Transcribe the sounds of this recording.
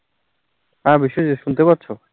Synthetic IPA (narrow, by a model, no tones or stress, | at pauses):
abiʃːod͡ʑit̪ʃunt̪epaɾt͡ɕʰo